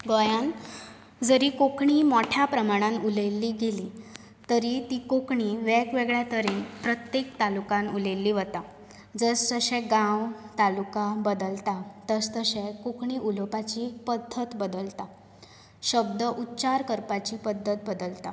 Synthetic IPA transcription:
ɡɔjãn | d͡zəɾiːkokɳimɔʈʰjapɾəmaɽ̃ãnulelːiːɡeli | t̪əɾit̪iːkokɳiʋɛɡʋeɡɭjat̪əɾeːnpɾət̪jekt̪alukãnulelːiːʋət̪a | d͡zəst̪əɕɛ̃ɡãwt̪alukabəd̪əlt̪at̪əst̪əɕẽkokʰɳiːʔulopat͡ɕipəd̪ʱːət̪bəd̪əlt̪a | ɕəb̚d̪əʔut̪ːt͡ɕaɾkəɾpat͡ɕipəd̪ʱːət̪̚bəd̪əlt̪a

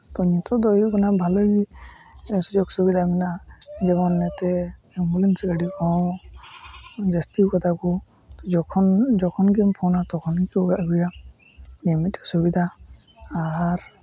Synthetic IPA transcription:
t̪ɔɲɔt̪ɔd̪ɔjɡɔnabʱalɔjbi | sud͡ʒɔksubid̪ʱaminazɛβɔnːɛt̪ɛ | ɛmbulɛnsɡaɖikɔ | zɛstikɔt̪ʰakɔ | d͡ʒɔkʰɔnzɔkʰɔnɡɛmpʰɔwnat̪ɔkʰɔnkiwaɡuja | limitɔsubid̪ʱaː | ɾ

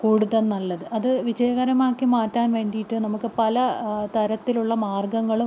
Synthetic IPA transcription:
kuːɽuðɐlnɐlːɐðɨʔɐðɨʋid͡ʑeːʋɐɾɐmaːkːimaːtːaːnʋe̞ːɳɖijiʈːɨnɐmukːɨpɐlɐt̪ɐɾɐt̪ːiluɭːɐmaːrɡɐŋːɐɭu

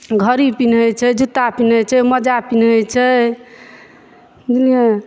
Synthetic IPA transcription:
ɡʱəɾipinɦojt͡ʃʰɛd͡ʒut̪apinɦojt͡ʃʰɛməd͡ʒapinɦojt͡ʃʰɛ | d͡ʒilie

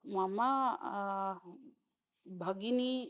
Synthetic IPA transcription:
mama | bʱəɡini

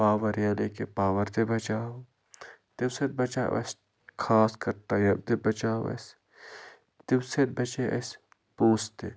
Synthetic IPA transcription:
paːʋɐɾjaːlekepaːʋɐɾt̪ebɐt͡ʃaː | t̪ɪwsed̪̚bɐt͡ʃa̰ːwʔɐ̰s | kʰaːskɐɾt̪ajɐb̚t̪ebɐt͡ʃaːwɐ̰s | t̪ɪwset̪̚bɐt͡ʃeʔɐ̰s | poːst̪e

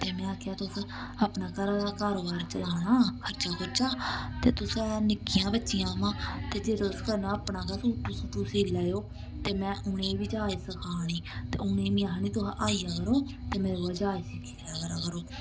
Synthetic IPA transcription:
t̪eːmɛ̃ːaːkʰjaːt̪ʊs | apnaːkəɾaaːkaːɾoːbaːɾt͡ʃəaːnaːkʰəɾt͡ʃaːkʰʊɾt͡ʃaːt̪eːt̪ʊsanɪkːɪjãːbətːʃɪjãːmãːt̪eːd͡ʒeːt̪ʊskəɾnaːəpnãːkasuʈːusuːʈuːsiːlɛːjoː | t̪eːmɛ̃ːʔʊɳ̃ẽːʋit͡ʃaːiːsəkʰaːñiːt̪ḛːʊnẽːmiaːɦniːt̪ʊʔaːijaːkəɾoːt̪eːmeːɾoːaːd͡ʒaːiːsikʰilaːkəɾaːkəɾoː

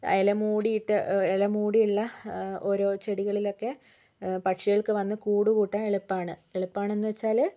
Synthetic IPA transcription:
ɐ̰jɐlɐmuːɽijiʈːɨelɐmuːɽijuɭːɐoɾo̞ːt͡ɕe̞ɽiɣɐɭilo̞kːe̞ | pɐʈʂiɣɐɭkɨʋɐnːɨkuːɽukuːʈːame̞ɭupːaːɳɨeɭupːaːɳe̞nːuʋet͡ɕːaːl

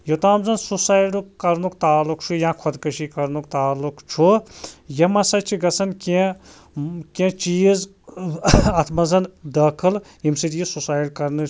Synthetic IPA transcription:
jot̪aːmzɐnsusaːjɖukkɐɾnukt̪aːlːukt͡ʃʰujãːkʰod̪kɐʃikɐɾnukt̪aːlːukt͡ʃʰujɐmɐsɐt͡ʃʰiɡɐsɐnkẽ | kẽt͡ʃiːz | ɐt̪ʰmɐzɐnd̪ɐːkʰɨl | jimsit̪jisusaːjʈkɐɾnɨ

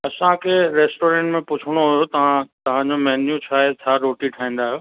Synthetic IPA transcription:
ɐsãkʰeːɾeːsʈoːɾẽːɳʈmẽpʊt͡ɕʰəɽ̃oɦʊjot̪ɐ̤ãt̪ɐʋ̤ãɲd͡ʑomɐɦnjũt͡ɕʰaːɦetʰaːɾoːʈiʈʰaːĩːn̆d̪aːɦɪjoː

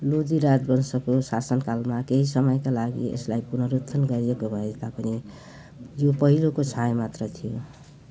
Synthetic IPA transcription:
lud̪iɾad͡zbʌnsʌkosasʌnkalmakeɦisʌmʌjkalaɡḭḛslajpunʌɾut̪ʰːʌnɡʌɾiekobʱʌet̪apʌni | jopʌɦilokot͡sʰãemat̪rʌt̪ʰijo

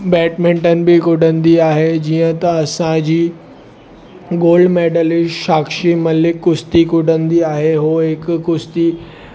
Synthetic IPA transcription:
bɛːʈmẽːɳʈənɪ̆bɪkʊɖʱənd̪iaːɦed͡ʑiːə̃t̪ɐɐsãd͡ʑiː | ɡoːlɖmɛːɖəlɪʃaːkʃimɐlɪkːʊst̪ikʊɖənd̪iaːɦeɦoɦɪkːʊst̪i

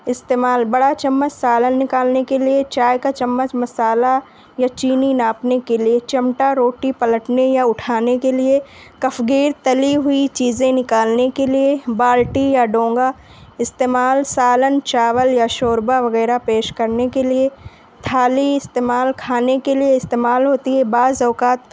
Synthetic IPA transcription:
ɪst̪eːmaːlbɐɽat͡ʃɐmːət͡ʃsaːlənːɪkaːlnekeliet͡ʃaːjkat͡ʃɐmːət͡ʃmɐsaːla | jat͡ʃiːninaːpnekeliet͡ʃɐmʈaɾoːʈipɐləʈnejaʊʈʰaːnekelie | kɐfʰɡiːɾt̪ɐliɦʊit͡ʃiːzẽnɪkaːlnekeliebaːlʈijaɖõːŋɡa | ɪst̪eːmaːlsaːlənt͡ʃaːʋəljaʃoːɾbaʋɐɣɛːɾapeːʃkɐɾnekelie | t̪ʰaːliɪst̪eːmaːlkʰaːnekelieɪst̪eːmaːlɦoːt̪iɦɛbaːzɐːkaːt̪̚

